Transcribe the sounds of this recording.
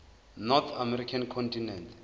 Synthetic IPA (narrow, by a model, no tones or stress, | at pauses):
nɔt̪ʰamɛɾikʰankʰɔntʰinɛntʰ